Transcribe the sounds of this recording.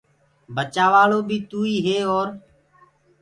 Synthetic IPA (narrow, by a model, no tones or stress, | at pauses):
bət͡ʃaːʋaːloːbʱiːt̪uːiːɦeːɔːɾ